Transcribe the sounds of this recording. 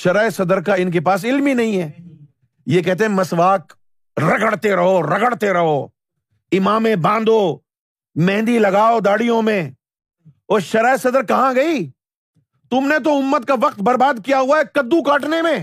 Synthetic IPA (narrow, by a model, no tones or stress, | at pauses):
ʃɐɾaːesɐd̪əɾkaɪnk̬epaːs̬ɪlminɐɦĩɦɛː | jekɛɦt̪̬eɦɛ̃mɐsʋaːk | ɾɐɡəɽt̪eɾɐɦoɾɐɡəɽt̪eɾɐɦo | ɪmaːmẽbãːnd̪o | mɛ̃ːnd̪ilɐɡaːod̪aːɽijõmẽ | ɔːʃɐɾaːesɐd̪əɾkɐɦãɡɐi | t̪ʊmnet̪̬oʊmːət̪̚kaʋɐq̚t̪̚bɐɾbaːd̪kijaɦuaɦɛkɐd̪ːukaːʈnemẽː